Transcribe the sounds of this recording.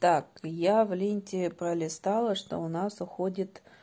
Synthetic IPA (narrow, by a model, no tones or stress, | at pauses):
t̪akjavlʲinʲtʲɪpɾəlʲɪst̪alˠəʂt̪o̰ʊnasʊxodʲɪt̪